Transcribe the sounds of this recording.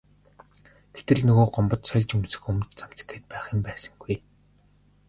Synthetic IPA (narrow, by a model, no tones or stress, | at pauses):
ɡ̥et̪ɘ̆ɮnɵɣoːɢɔmpɞ̆t̪sœɮʲt͡ɕɵmsɘ̥̆xɵmt̪t͡sam̥t͡sə̥keːt̪̚pæːχĭmpæːsə̥̆ŋɡuj